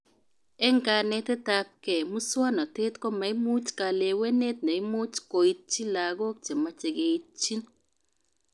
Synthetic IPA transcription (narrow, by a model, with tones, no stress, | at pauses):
ɛ˦ŋka˨nɛ˦tɛ˦ta˦p̚kɛ˨mu˦swɔ˦nɔ˨te˦tkɔ˦ma˨i˦mu˦t͡ʃka˨le˨we˦ne˦t̚ne˨i˦mu˦t͡ʃko˨i˦t̚t͡ʃi˦la˨ɡɔ˦k̚t͡ʃe˨ma˦t͡ʃe˨ɡe˨i˦t̚t͡ʃi˦n